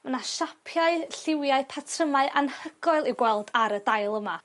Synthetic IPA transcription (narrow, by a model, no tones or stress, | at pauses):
mənaʃapʰjaɨɬɪwjaɨpʰatʰrəmaɨʔanhəɡ̥ɔɨlˠiɡwɛlˠdaɾədajlˠəma